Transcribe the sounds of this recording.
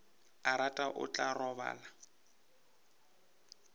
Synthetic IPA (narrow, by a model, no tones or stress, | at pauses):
aɾatʼaʔʊ̰t͡ɬʼarɔβa̰ːla